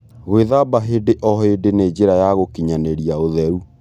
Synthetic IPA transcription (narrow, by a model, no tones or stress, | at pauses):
ɣweðabaɦedeʔɔedeneːd͡ʑeɾajaɣokiɲaneɾiaoðɛɾu